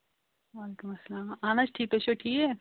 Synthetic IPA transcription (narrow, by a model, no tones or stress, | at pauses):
ʋaːleːkumɐsːɐlaːmaːnat͡ʃʈʰiːk̪̚oʃoʈʰiːke